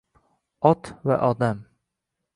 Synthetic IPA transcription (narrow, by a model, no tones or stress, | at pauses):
ɒt̪va̰ʔɒd̪am